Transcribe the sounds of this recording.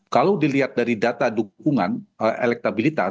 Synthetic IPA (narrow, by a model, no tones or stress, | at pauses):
kalawdiliɦat̪̚daɾidat̪adukuŋa̰nəʔḛlɛk̚t̪abilit̪a̰